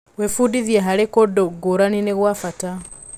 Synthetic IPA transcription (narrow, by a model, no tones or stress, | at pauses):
wefudiðjeɦaɾekodoɡoɾanineɣwafata